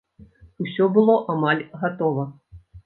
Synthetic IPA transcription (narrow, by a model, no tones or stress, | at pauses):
usʲɔbɨlˠɔʔamalʲɣat̪ɔvɐ